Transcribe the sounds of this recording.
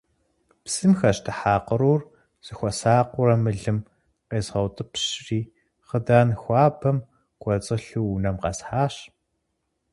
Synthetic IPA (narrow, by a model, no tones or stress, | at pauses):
psɨmxɐɕtʰɨħaːqəɾuːr | z̥ɨxʷɔsaːqʷʊɾɐmɨɮɨm | qeːzʁɐwtʼɨpʰɕriː | χədaːnxʷɑːbɐm | qʷʼɔt͡sʼɨɬuːnɐmqɑ̰sħaːɕ